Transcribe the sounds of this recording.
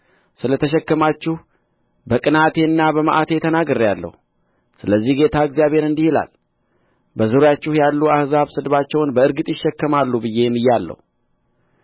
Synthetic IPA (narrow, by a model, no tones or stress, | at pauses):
sɨlət̪ʰəʃ̬ɛkːəmat͡ʃːuh | bəkʼɨnat̪ʰe̞nːabəməʔat̪ʰe̞t̪ʰənaɡəɾjalːə̰hu | sɨləzːihɡe̞t̪ʰaəɡzjaβhe̞ɾɨnd̪ihila̰l | bəzɨɾojat͡ʃːuhjalːuahzaβsɨd̪βat͡ʃːɛwnbəɨɾɡɨt̪ʼjɪʃːɛkːəmalːubɨjːe̞jɛmːɨjːalːə̰hu